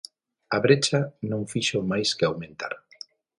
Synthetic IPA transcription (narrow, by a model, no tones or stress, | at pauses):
aβɾet͡ʃanõŋfiʃomajskɪawmẽnt̪a̰ɾ